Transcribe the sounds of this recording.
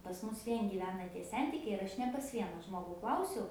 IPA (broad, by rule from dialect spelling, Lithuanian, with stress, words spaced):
pɐs ˈmʊs ˈʋʲiɛn ɡʲiːˈʋʲæːnɐ tʲiɛ ˈsʲɛnʲtʲɪkʲɛɪ ɪr ˈɐʃ nʲɛ pɐs ˈʋʲiɛnɐ ˈʒmoːɡʊ ˈklˠɐʊsʲɛʊ